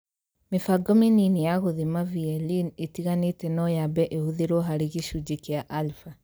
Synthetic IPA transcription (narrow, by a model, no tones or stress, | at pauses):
mefaɡɔmininijaɣoðemaviɛlinetiɣanetɛnɔjabɛʔehuðeɾwɔɦaɾeɣiʃud͡ʑekeaʔalfa